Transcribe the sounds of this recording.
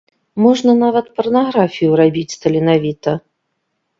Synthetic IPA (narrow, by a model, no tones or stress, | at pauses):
mɔʐnɐnavɐt̪pɐrnaɣɾafʲijuɾabʲit͡sʲst̪ɐlʲinavʲit̪ɐ